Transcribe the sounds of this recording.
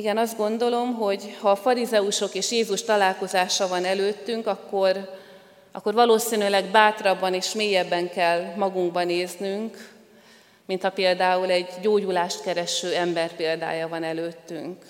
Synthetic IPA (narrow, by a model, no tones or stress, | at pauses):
iɡɛnɒzd̪ɡo̞nd̪o̞lo̞mɦo̞ɟhɒːfɒɾizɛuʃo̞keːʃjeːzuʃt̪ɒlaːlko̞zaːʃɒvɒnɛløːt̪ːyŋkɒkːo̞r | ʔɒ̰kːo̞rvɒloːsiːnylɛɡbaːt̪rɒbːɒneːʃmeːjɛbːɛŋkɛlːmɒɡuŋɡ̚bɒneːznyŋk | mint̪hɒpeːld̪aːulɛɟːoːɟulaːʃt̪kɛɾɛʃøːɛmbɛrpeːld̪a̰ːjɒvɒnɛløːt̪ːyŋk